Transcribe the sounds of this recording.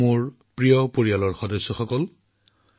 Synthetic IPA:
mʊɹ | pɹiɔpoɹijalɔɹxɔdɔsːɔxɔkɔl

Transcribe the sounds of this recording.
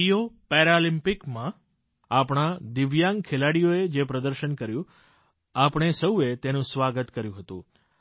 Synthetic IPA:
ijopɛɾalimpikmã | apɳ̃ad̪ɪʋjaŋɡkʰelaɽijoed͡ʒepɾəd̪əɾʃənkəɾjũ | apɳ̃esəwet̪enũsʋaɡət̪kəɾjũɦət̪ṵ̃

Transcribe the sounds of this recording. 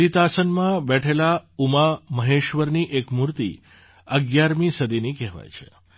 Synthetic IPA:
ɾit̪asənmãbɛʈʰelaumaməɦeʃʋəɾniʔekmuɾt̪ḭ | əɡjaɾmisəd̪ʱinikɛɦʋa̰jt͡ʃʰe̥̰

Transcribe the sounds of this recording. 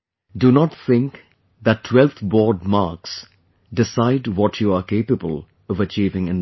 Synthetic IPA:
dunɔtθɪ̃ŋk | ðətːʰwɛlˠt̪bɔːɖ̚maːɾks | dɪsaɪdwɔtʰjuəkeɪpəbəl | ɔvət͡ʃiːvɪ̃ŋɪ̃n

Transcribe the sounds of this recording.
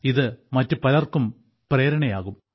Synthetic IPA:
iðɨmɐtːupɐlɐrkum | pre̞ːɾɐɳɐjaːɣum

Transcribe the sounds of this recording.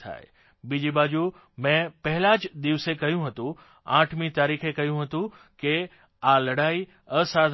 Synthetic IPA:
t̪ʰa̰ːḛ | bid͡ʑibaːd͡ʑu | mɛ̃pɐɦɪlaːd͡ʑd̪iʋsekɐjũɦɐt̪ũ | ãːʈʰmĩt̪aːɾiːxekɐjũɦɐt̪ũ | ke | aːlɐɽaːi | ɐsaːd̪ʱ

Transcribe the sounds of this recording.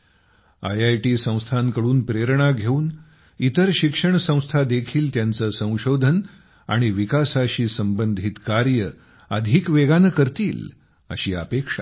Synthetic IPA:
a̰jajʈiːsə̃w̃st̪ʰaŋkəɽuːnpɾeɾɳaɡʱeuːn | it̪əɾɕikʂəɳ̃sə̃w̃st̪ʰad̪ekʰiːlt̪jant͡səsə̃w̃ɕod̪ʱən | a̰ɽ̃iʋikasaɕiːsəmbənd̪ʱit̪kaɾjə | əd̪ʱiːkʋeɡanəkəɾt̪iːl | ə̰ɕiːə̰pekʂa̰

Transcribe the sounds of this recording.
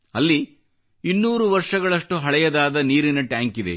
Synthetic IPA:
ɐlːi | inːuːɾuʋɐɾʂɐɡɐɭɐʂʈuɦɐɭɛjɐd̪aːd̪ɐniːɾinɐʈjaːŋkid̪ḛ

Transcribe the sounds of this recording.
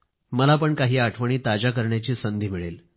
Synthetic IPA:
məlapəɳkaɦiːaʈʰʋəɳ̃iːt̪ad͡ʑakəɾɳjat͡ɕiːsənd̪ʱiːmiɭel

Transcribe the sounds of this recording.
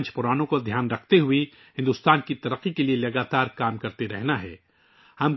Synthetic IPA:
nt͡ʃpʊɾaːnõkod̪ʱjaːnɾɐkʰt̪eɦʊi | ɦɪ̃nd̪ʊst̪aːnkit̪ɐɾəqːikelielɐɡaːt̪aːɾkaːmkɐɾt̪eɾɛ̰ɦnaɦɛ̰ː | hɐm

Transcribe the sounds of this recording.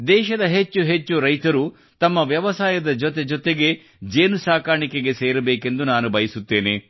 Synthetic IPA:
d̪ɛːʃɐd̪ɐɦet͡ʃːuɦet͡ʃːuɾɐjt̪ɐɾu | t̪ɐmːɐʋjɐʋɐsaːjɐd̪ɐd͡ʒɔt̪ed͡ʒɔt̪eɡe̞ | d͡ʒeːnusaːkaːɾɳikeɡe̞seːɾɐbeːke̞nd̪unaːnubɐjisut̪ːe̞ːne

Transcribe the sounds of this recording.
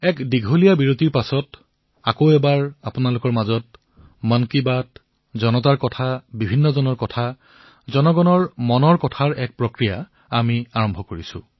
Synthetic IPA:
ɛkdiɡʱolijabiɹotiɹpasɔt | akoɛbaɹapʊnalʊkɔɹmazɔt̚ | mankibat | zɔnɔtaɹkɔtʰabibʱinːɔzɔnɔɹkɔtʰa | zɔnɔɡɔnɔɹmɔnɔɹkɔtʰaɹɛk̚pɹokɹija̰ | amiaɹɔmbʱɔkoɹisʊ̰̃

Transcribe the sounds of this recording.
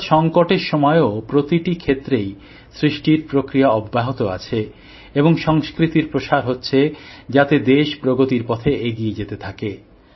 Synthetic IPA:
ʃɔŋkoʈeɾʃɔmɔeopɾot̪iʈikʰet̪ːɾej | sɾiʃʈiɾpɾokɾijaɔbːaɦot̪oa̰t͡ɕʰe | eboŋʃɔŋskɾit̪iɾpɾoʃaɾɦotːɕʰed͡ʑat̪ed̪eʃpɾoɡot̪iɾpɔt̪ʰeeɡied͡ʑet̪et̪ʰake

